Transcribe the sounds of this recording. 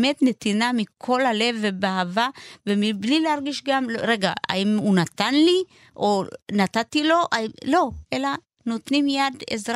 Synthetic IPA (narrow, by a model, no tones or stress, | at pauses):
me̞tne̞t̪inamikʰo̞lale̞vebeaɦavavemiblileaʁɡiʃɡamlʁe̞ɡaa̰imunat̪anli | ʔonatatilo̞ʔailo̞ʔela | no̞t̪nimjadḛzʁa